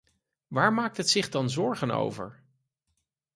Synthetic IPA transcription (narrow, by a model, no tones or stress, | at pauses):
ʋaːɹmaːk̚tɦətsɪχdɑnzɔɹχəno̰wvə̰ɹ